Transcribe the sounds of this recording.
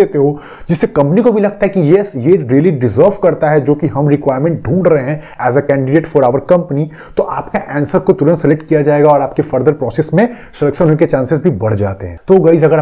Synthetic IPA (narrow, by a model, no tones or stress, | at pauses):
eːt̪eɦo | d͡ʒɪsːekɐ̃mpənikobʱilɐɡ̚t̪aɦɛkijɛsjeɾiəliɖɪzəːɾʋkɐɾt̪aɦɛd͡ʒoːkiɦɐmɾɪkʋaːɪɾmɛ̃ɳʈ̚ɖʱũːɳɖɾəɐɦeɦɛ̃ | ɛːzəkɛ̃ːɳɖɪɖeːʈfɔːɾaːʋəɾkɐ̃mpni | t̪oʔaːpkaʔɛ̃ːnsəɾkot̪ʊɾə̃nt̪sɪlek̚ʈkijad͡ʒaːeːɡaɔːɾaːp̚kefɐɾd̪əɾpɾɔːsesmẽ | ʃɐləksənõket͡ʃãːnsɪzbʱibɐɽ̤d͡ʒa̰ːt̪eɦɛ̃ːt̪ooɡɐiːzɐɡəɾ